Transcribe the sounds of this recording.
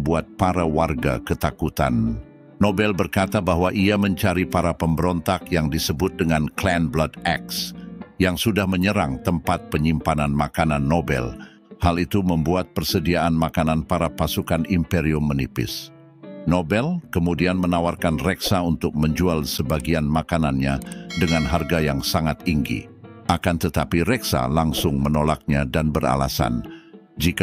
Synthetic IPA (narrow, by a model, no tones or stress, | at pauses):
buat̪̚paɾawarɡa̰kət̪akut̪a̰nː | obɛlbərkat̪abaɦwaʔiaməɲt͡ʃaɾipaɾapəmbəɾɔnt̪akjaŋdisəbʊt̪̚dəŋanklɛnbladɛksjaŋsudahməɲəɾa̰ŋt̪əmpat̪̚pəɲimpananmakananːobɛ̰l | halit̪uməmbuat̪̚pərsədiaanmakananpaɾapasukanimpɛɾiumənipɪ̰s | nobɛlkəmudianmənawarkanrɛksaunt̪ʊk̚məɲd͡ʒualsəbaɡianmakananɲadəŋanɦarɡajaŋsaŋat̪iŋɡḭakant̪ət̪apiɾɛksa̰laŋsʊŋmənolak̚ɲadanbəra̰la̰sa̰nd͡ʒik